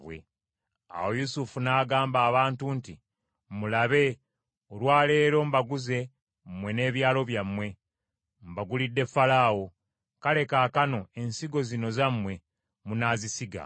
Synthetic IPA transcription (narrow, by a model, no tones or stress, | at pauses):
βwḛ | a̰wojusufunaːɡaːmbaːβaːntunti | mulaβe̞ | olwaːle̞ːɾo̞mbaɡuze̞ | mwe̞ne̞ːβjaːlo̞βjamːwe̞ | mbaɡulidːe̞fːalaːwo̞ | kale̞kaːkano̞e̞nsiɡo̞zino̞zamwe̞ | munaːzisiɡa̰